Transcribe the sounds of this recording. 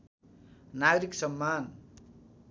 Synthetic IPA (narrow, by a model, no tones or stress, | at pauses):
naɡʌɾiksʌmːan